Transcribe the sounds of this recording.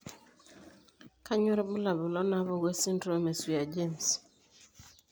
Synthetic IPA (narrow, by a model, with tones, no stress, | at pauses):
ka˦ɲo˦ɾbʊ˦la˨bʊ˨lɔ˦na˨βɔ˦ɡe˦sɪ˦ndɾo˦e˦me˨si˨a˨d͡ʒe˦˨ns